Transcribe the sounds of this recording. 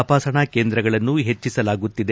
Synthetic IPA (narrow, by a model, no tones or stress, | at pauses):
paːsɐɳɐke̞ːnd̪ɾɐɡɐɭɐnːuɦe̞t͡ʃːisɐlaːɡut̪ːid̪e